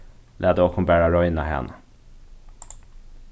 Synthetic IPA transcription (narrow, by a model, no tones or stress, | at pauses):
lʔɛd̪əɔkʰʊmbæːɾaɾɔjnaɦɛ̰nː